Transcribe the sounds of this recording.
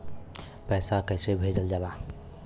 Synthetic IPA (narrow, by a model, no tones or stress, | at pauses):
pɛːsakɛɪsebʱed͡ʒəld͡ʒalaː